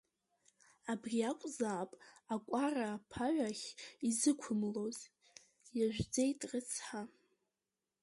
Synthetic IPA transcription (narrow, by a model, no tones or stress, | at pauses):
abrʲiakʷʼzaːpʼakʷʼaraːpʰaʕʷaχʲizɨkʷʰʊmloz | jaʒᶣʷd͡ze̞jtʼrɨt͡sʰħa